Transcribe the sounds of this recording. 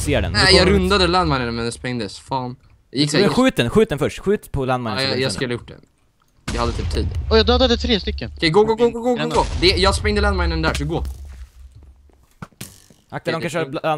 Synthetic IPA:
seːɾɖɛ̰njɑɾɵnd̪ad̪əland̪maɪnənmɛnɛspɾɛŋd̪əsfɑːn | jɑjɪk̪ːɛɧʉ̟ːt̪̚d̪ɛnɧʉ̟ːt̪d̪ɛnfœʂʈɧʉ̟ːt̪pʰɔlanmajnsjɑskkɵlajʊʈ̚ːɖɛ̰n | d̪ɛhad̪ːət̪iːpt̪ʰiːd̪ɔjad̪øːd̪ad̪ət̪ʰɾeːst̪ʏkːənkɛɡoɡoɡoɡoɡooɡod̪ɛjɑːspɾɛŋd̪əlanmaɪnənd̪æːʂɔɡoː | ʔak̚t̪adɔmkanʂəabla

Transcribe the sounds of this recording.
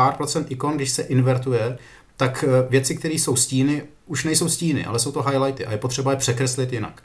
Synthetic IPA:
aːɾpɾot͡sɛnt̪ʔɪko̞nɡdɪʃsɛʔɪnvɛɾt̪ujɛ | t̪akvjɛt͡sɪkt̪ɛɾiːso̞wsciːnɪ | uʃnɛjso̞wsciːnɪ̰ʔa̰lɛso̞wt̪o̞ɦajlajt̪ɪʔajɛpo̞t̪r̥ɛbajɛpr̝̥ɛkɾɛslɪt̪jɪna̰k

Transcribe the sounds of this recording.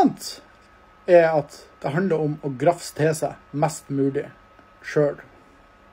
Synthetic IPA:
nt̪ | ɛɑt̪d̪̥ɛɦɑnd̪ləɾɔmɔɡɾɑfst̪ʰeːsæmæst̪mʉːlɪ | ʃøːl

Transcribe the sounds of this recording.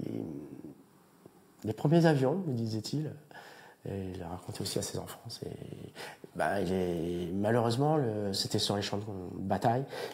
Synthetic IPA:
lḛ | lepχəmjezavjɔ̃məd̪izɛt̪ʰil | lːəʁakɔ̃t̪ʰɛosiasezɑ̰̃fɑ̃sḛ | ba̰ɛlɛmaløʁøzmɑ̃ləset̪ɛsyʁleʃɑ̃d̪bat̪aj

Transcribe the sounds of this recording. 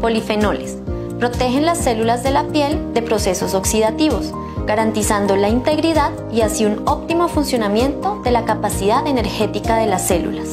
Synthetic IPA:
po̞life̞no̞les | pɾo̞t̪e̞xe̞nlasːe̞lulazðe̞lapje̞ld̪e̞pɾo̞se̞so̞so̞ksiðat̪iβo̞s | ɡ̥aɾant̪isand̪o̞laint̪e̞ɣɾiðað | iasiuno̞p̚t̪imo̞funsjo̞namje̞nt̪o̞ðe̞lakapasiðaðe̞ne̞ɾxe̞t̪ikaðe̞lasːe̞lṵlas

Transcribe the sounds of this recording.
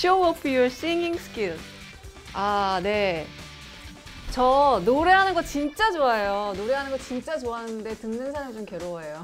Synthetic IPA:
ɕoʌpʰjoɹs͈iŋiŋsɯ̥k͈il | ane̞ | t͡ɕʌnoɾe̞ɦanɯnɡʌt͡ɕint͡ɕ͈ad͡ʑoajonoɾe̞ɦanɯnɡʌt͡ɕint͡ɕ͈at͡ɕoaɦanɯnde̞tɯŋnɯnsʰaɾamit͡ɕomkeɾoʌejo

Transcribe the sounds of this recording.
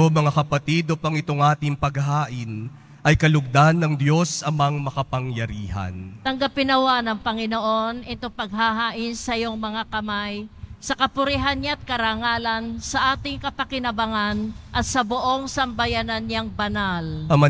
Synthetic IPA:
omɐŋakɐpɐt̪id̪opɐŋɪt̪oŋʔaːt̪ɪŋpɐɡ̚ɦaːʔɪn | ʔɐjkɐlʊɡ̚d̪anːɐŋd̪jo̞sɐmaŋmɐkɐpɐŋjɐɾiːɦɐ̰nt̪ɐŋɡɐpɪnɐwanɐŋpɐŋɪnoʔo̞nʔɛt̪o̞ŋpɐɡ̚ɦahaːʔɪnsɐjoŋmɐŋakɐmajsɐkɐpʊɾɪɦanɲaɐt̪̚kɐɾaːŋaːlɐnsɐʔaːt̪ɪŋkɐpɐkɪnɐbɐŋanʔɐt̪sɐboʔo̞ŋsɐmbɐjanɐnɲaŋbɐnalɐmɐ

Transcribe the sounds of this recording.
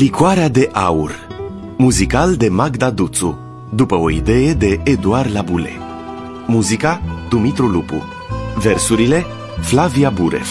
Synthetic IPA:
likwaɾead̪e̞ʔaur | muzikald̪e̞maɡd̪ad̪ut̪su | d̪upəo̞id̪e̞je̞d̪e̞ːd̪uarlabule̞̰ | muzikad̪umit̪ɾulupṵ | versuɾile̞ | flaviabuɾḛv

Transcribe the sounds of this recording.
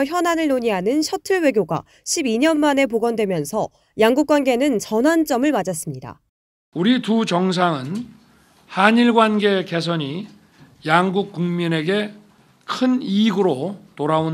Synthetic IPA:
çjʌnanɯɭnoɲiɦanɯnɕʰʌtʰɯɭwe̞ɡjoɡa̰ | ɕʰibiɲʌnmane̞p̬oɡʌndwe̞mjʌnsʰʌ | jaŋɡuk͈̚wanɡe̞nɯnt͡ɕʌnɦant͡ɕ͈ʌmɯɭmad͡ʑas͈ɯmɲida̰ | uɾitut͡ɕʌŋs̬ʰaŋɯn | haɲiɭɡwanɡe̞ke̞s̬ʰʌɲi | jaŋɡuk̚k͈uŋmine̞ɡe̞ | kʰɯniɡɯɾotoɾaon

